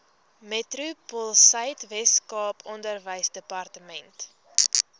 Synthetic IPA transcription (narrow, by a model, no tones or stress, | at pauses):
mɛtrupɔlˠsəjtvɛskɑːpʰɔndərvəjsdəpɐrtəmɛnt